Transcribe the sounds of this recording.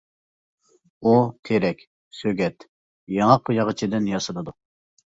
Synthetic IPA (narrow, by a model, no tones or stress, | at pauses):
ut̪ʰeɾɛkʲ | søɡʲɛt̪ | jɑŋɑqʰʊjɑʁət͡ʃʰid̪ɪnjɑsɨlˠɨd̪u